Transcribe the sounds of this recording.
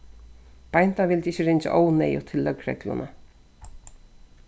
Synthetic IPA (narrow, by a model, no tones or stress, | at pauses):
b̥ajn̥t̪avɪlt̪ɪçɪɾɪnt͡ʃa̰ʔoːwnɛjʊ̰t̪ʰɪlːœkɾɛ̰klʊ̰nʔa̰